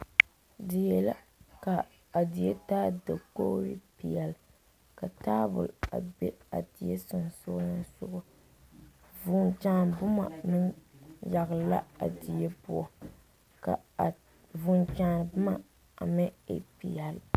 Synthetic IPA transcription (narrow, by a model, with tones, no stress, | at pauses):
dɪ˨jɛ˨la˦ | ka˨ | a˨di˨je˦taː˦dɨ˨ko˦ɾi˦pi˨jɛ˨l | ka˨taː˦bʊ̰˨la̰˨bɛ˦a̰˨di˨je˦sʊ˨n˨so˦nɨ˦nsʊ̰˦ʔʊ˦ | vʊ˦nt͡ʃaː˦n˨bʊ˦ma̰˨mɪ˦nja˨ɣla̰˦a̰˨di˨je˦pu˦ɔ˨ | ka̰˨ | vʊ˨nt͡ʃaː˨˦n˨bʊ˦ma˨ | a˨mɛ˦ḛ˨pi˨a˨l